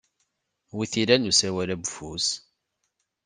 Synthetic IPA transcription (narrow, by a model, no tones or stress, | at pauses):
wiθiɾænusæwælæbfus